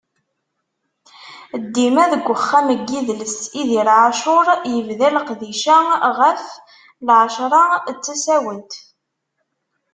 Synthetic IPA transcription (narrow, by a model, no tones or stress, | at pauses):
d̪ːimæðəɡʷːəχːæməɡːiðləsiðilʕaʃʊɾˤjəvðæləqðiʃæʁəf | lʕəʃɾˤɑt͡sːæsæwət̪